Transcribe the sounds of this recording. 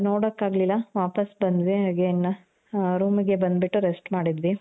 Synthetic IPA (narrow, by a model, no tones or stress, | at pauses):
noːɽɐkːaːɡlilːɐʋaːpɐsbɐnd̪ʋiɦaːɡenɐ | ɾuːmiɡe̞bɐnd̪biʈːuɾesʈmaːɽid̪ʋi